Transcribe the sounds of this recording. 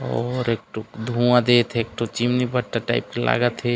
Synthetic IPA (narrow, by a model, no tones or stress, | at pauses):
ɔɾek̚ʈod̪ʱũãd̪et̪ʰeek̚ʈot͡ʃimnibəɽʈ̪aʈaɪp̚kela̰ːɡət̪ʰɦe